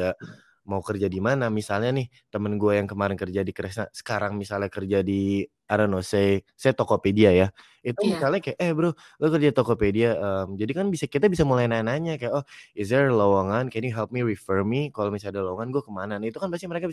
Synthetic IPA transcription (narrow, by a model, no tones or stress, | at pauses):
a | maukərd͡ʒadimanamisalɲanɪh | t̪əmənɡuajaŋkəmaɾɪnkərd͡ʒadikəɾɛsnasə̥kaɾaŋmisalɲakərd͡ʒadi | aɾanosejsajat̪okopediaja | it̪umisalɲakajaʔɛhbəɾʊ | lakərd͡ʒadit̪okopediaʔəmd͡ʒadikanbisakit̪abisamulajnanaɲakajaʔohɪs̬dɛrlowaŋankɛnjuɦɛlp̚miɾifəɹmikalomisadalawaŋanɡuakəmananit̪ukanbast̪iməɾekabi